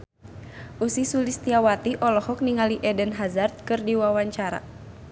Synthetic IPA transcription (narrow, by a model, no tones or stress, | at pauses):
ʔusisulist̪iawat̪iʔɔlɔhɔk̚niŋaliʔɛdənɦazart̪̚kɨrdiwawaɲt͡ʃaɾa̰